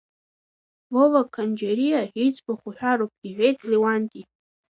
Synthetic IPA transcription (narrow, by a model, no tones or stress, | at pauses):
vovakʰand͡ʒeɾijaħit͡sʼbaχʷʊħᶣaɾop̚ʰʼɡ̥ʲiħʷᶣejtʰʼliwantʼi